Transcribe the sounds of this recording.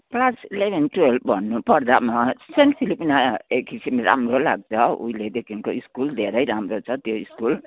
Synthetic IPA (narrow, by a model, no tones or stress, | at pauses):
plasilebʱenʈuelbʱʌnːupʌrd̪amasenʈpʰilipinaekːisimɾa̰mɾolaɡ̚t͡sʰʌṵiled̪ekʰinkoiskuld̪ʱeɾʌjɾamɾot͡sʰʌt̪joiskul